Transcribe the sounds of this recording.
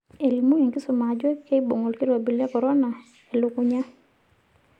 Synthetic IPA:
e˨li˨mu˦ŋɛ˨ŋɡɪ˦sʊ˨ma˨d͡ʒwɛ˦kːɛ˦i˦bo˨ŋɔ˨lki˦ɾɔ˨bi˨lɛ˦kɔ˨ɾɔ˦na˨ | ɛ˨lʊ˦kʊ˦ɲa˦

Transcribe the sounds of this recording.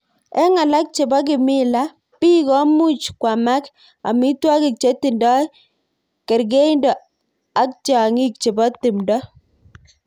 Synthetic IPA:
ɛ˦ŋa˨la˦k̚t͡ʃe˨bɔ˦k̬ɪ˨mɪ˦la˦ | pi˦kɔ˦mu˦t͡ʃkwa˨ma˦k | a̰˨mɪ˦twa˦kɪ˨k̚t͡ʃe˦ti˨ndɔ˦ | kɛ˨ɾɡe˦i˦ndɔ˨ | a˦k̚t͡ʃa˨ŋi˦k̚t͡ʃe˨bɔ˦tɪ˨mdɔ˦

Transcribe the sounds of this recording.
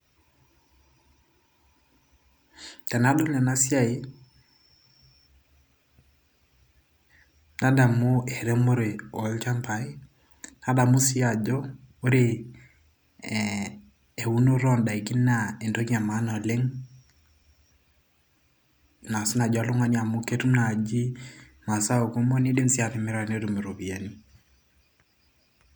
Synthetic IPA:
ka˨na˨˦dɔ˦ɲɛ˨na˦sja˦i˦ | na˦da˨mʊ˦e˨ɾe˦mo˦ɾe˨ɔ˨˦lt͡ʃa˦mpa˨i˦ | na˦da˨mu˦si˦a˨d͡ʒɔ˦ | o˦ɾe˨ | e˨u˦no˦ɾɔ˦nda˨i˨kɪ˦n˦na˨e˨ndo˦kia˨ma˦nɔ˨le˦ŋ | na˨si˦na˨d͡ʒɔ˨a˦lʊ˦ŋa˦ni˦a˨mʊ˦ke˦tu˦na˨d͡ʒi˦ma˨sa˦o˨ko˦mo˦ni˦dɪ˦msi˦a˨ɾɪ˨mɪ˦ɾa˨ne˦ɾu˨mi˨ɾo˨bi˨a˨ni˦

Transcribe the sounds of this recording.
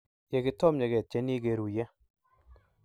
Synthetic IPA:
jɛ˨kɪ˦tɔ˦mɲɛ˨kɛ˨t̚t͡ʃɛ˦ni˦ke˨ɾu˨jɛ˦

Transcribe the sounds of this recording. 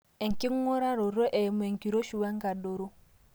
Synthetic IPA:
ɛ˨ŋ˨ki˦ŋ˦o˦ɾa˦ɾo˨ɾɔ˦ʔɛ˨m˨e˨ŋ˨ki˨ɾo˦ʃu˨wa˦ŋɡa˨do˨ɾo˦

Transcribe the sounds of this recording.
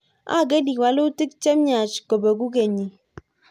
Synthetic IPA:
a̰˦˨ɡe˦di˨wa˨lo˦ti˦k̚t͡ʃe˦m˦ɲa˨t͡ʃko˨be˨ɡu˦k̬e˨ɲi˨

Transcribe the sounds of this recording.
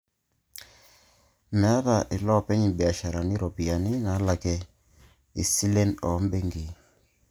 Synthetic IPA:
mɛ˨˦a˦ta˨ʔɪ˨lɔ˦˨pɛ˦ɲi˨bɛ˨a˨ʃa˨ɾa˨ni˦ɾɔ˨pi˨a˨nɪ˦na˨˦la˨kɛ˨ | i˨si˦le˦nɔ̰˨˦m˦be˦ŋɡi˨

